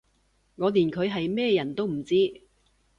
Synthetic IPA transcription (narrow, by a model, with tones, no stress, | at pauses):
ŋɔː˨˧liː˨˩nkʰɵ˨˧ɥɦɐ˨jmɛː˥˧jɐ˨˩nt̪o˥wm̩˨˩t͡siː˥